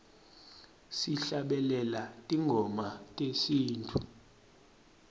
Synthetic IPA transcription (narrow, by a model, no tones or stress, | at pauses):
siɬaɓɛlɛlatʼiŋɡʱɔmatʼesiːntʰʼu